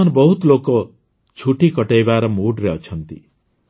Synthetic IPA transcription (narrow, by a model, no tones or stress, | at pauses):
anbʌɦut̪loko | t͡ʃʰuʈikʌʈajbaɾʌmuɖɾet͡sʰʌnt̪ḭ